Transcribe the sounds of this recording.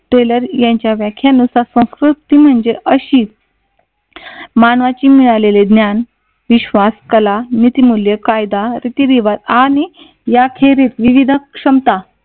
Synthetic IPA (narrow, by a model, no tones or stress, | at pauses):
ʈeləɾjãɲt͡ɕjaʋjakʰjanusasə̃skɾut̪ːim̤əɳd͡zeʔəɕiː | maɳʋat͡ɕiːmiɭaleled̪njan | ʋiɕʋaskəlanit̪imuljəkajd̪aɾit̪iɾiʋat̪ani | jakʰeɾit̪ʋiʋid̪ʱəkʂəmt̪a